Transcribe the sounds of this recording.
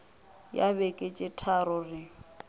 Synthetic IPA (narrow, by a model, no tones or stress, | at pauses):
jaβɛkʼet͡ʃʼɪtʰaɾʊrɪ